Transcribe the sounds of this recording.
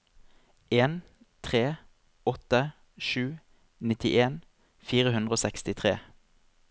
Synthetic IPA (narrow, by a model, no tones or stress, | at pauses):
ʔeːn | t̪ʰʁeː | ɔt̪ə | ʃʉː | nɪt̪ɪʔeːn | fiːʁəɦʉnd̪ʁəoːsɛkst̪ɪt̪ʰʁeː